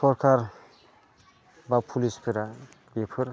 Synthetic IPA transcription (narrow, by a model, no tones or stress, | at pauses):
sɔɾkʰaɾ | bapʰulispʰɯɾa | bepʰɯɾ